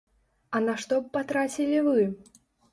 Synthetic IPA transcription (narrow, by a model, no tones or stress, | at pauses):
ɐnɐʂt̪ɔpːat̪ɾat͡sʲilʲivɨ